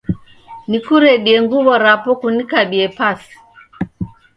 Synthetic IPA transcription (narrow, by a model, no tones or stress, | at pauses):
nikuɾɛɗiɛŋɡuβɔɾapɔkunikaɓiɛpasi̥